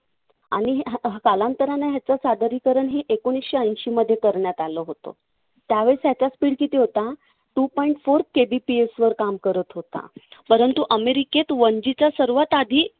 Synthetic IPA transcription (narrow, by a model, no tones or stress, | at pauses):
a̰ɽ̃iɦkalãnt̪əɾanaɦjat͡sasad̪əɾikəɾəɳɦeʔekoñisɕeənɕiməd̪ʱːjekəɾɳjat̪aləɦot̪o̰ | t̪jaʋeɭsɦjat͡ɕaspiːɽkit̪iːɦot̪a | ʈupɔiɳʈfoɾkebipiesʋəɾkamkəɾət̪ɦot̪a̰pəɾənt̪uʔəmeɾiket̪ʋənd͡ʑit͡ɕasəɾʋat̪ad̪ʱiː